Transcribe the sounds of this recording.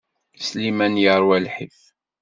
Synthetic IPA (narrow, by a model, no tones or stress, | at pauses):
slimænjəɾˤwælħif